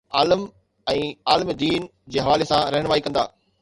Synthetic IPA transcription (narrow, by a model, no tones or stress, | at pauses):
aːləm | ɛ̃ːaːlmid̪iːn | d͡ʑeːɦɐʋaːlesãɾɐɦəɽ̃ʋaːikɐ̃nd̪a̰ː